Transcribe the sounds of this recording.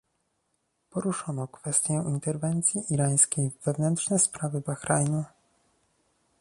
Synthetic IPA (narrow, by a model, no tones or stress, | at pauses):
pɔɾuʂɔnɔkfɛst̪ʲjɛint̪ɛɾvɛnt̪sʲjiʔiɾaj̃skʲejvːɛvnɛntʂnɛspɾavɘbaxɾajnu